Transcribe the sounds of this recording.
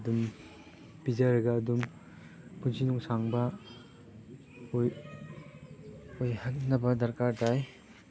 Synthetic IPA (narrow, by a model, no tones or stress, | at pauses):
dum | bizaɾɯɡaːdum | punzinuŋsaŋba | j | ojhak̚nɐbɐdɐɾkaɾtaj